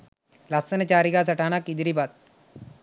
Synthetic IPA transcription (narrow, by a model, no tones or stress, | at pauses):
laːsənet͡ʃaːɾiɡaːs̬ɐʈaːnakid̪iɾibaːt̪̚